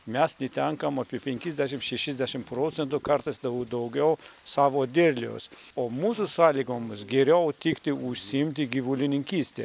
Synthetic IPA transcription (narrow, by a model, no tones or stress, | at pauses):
mʲæsnʲɪt̪ʲɛŋkɐmɐpʲiɛpʲɛŋʲkʲɪzʲd̪ʲæʃ̬ʲɪmʃʲɛʃʲɪzʲd̪ʲæʃʲɪmpɾoːt̪sʲɛnt̪ukɐɾt̪ɐsd̪ɐʊd̪ɐʊɡʲɛʊsɑːʋoːd̪ʲɪɾʲlʲio̰ːs | oːmuːsusɑːlʲiːɡoːmʊsɡʲɛɾʲɛʊt̪ʲɪkt̪ʲɪʊʃʲsʲiɪmʲt̪ʲɪɡʲiʋulʲɪnʲɪŋʲkʲiːsʲt̪ʲḛː